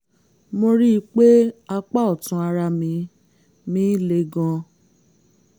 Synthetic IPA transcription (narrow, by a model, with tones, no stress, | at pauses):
mo˧ɾi˦˧k͡pe˦a˧k͡pa˦ɔ˨tũ˨˦a˧ɾa˧mĩ˨˧˦ | mĩː˦le˧˦ɡɔ̃˧